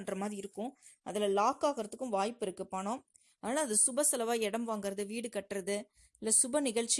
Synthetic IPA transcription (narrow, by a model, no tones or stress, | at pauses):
ndrɐmaːðɾɪɪɾɯkːʊ̃ɐ̰ðɪlɐlaːkaːɣɐɾɐt̪ːɯkːɯ̃ʋaːjpːɪɾɯkːɯpɐɳõː | aːnaːɐðɯsʊbɐsɐlɐʋaːɛɽɐmʋaːŋɡɪɾɐðɯʋiːɽɯkɐʈːɾɐðɯ | ɪlːɐsʊbɐnɪɣɐɭt͡ʃː